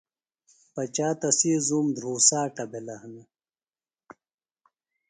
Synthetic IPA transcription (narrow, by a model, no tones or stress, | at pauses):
pɐt͡ɕaːt̪ɐsiːzuːmd̪ʱɾuːsaːʈɐbelɐhnɐ